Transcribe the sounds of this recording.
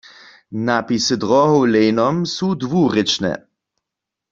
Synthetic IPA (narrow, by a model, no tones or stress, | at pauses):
napisəd̪ʁɔɦowlejnɔmsud̪vuʁɪt͡ʃnɛ̰